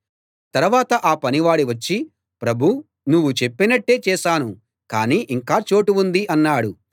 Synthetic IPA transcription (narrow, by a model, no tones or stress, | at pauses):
t̪ɐɾuʋaːt̪ɐʔaːpɐniʋaːɽiʋɐt͡ʃːi | pɾɐbʱu | nuʋːut͡ʃe̞pːinɐʈːe̞ːt͡ʃɛːʃaːnu | kaːniːʔiŋkaːt͡ʃo̞ːʈuund̪iʔɐnːaːɽu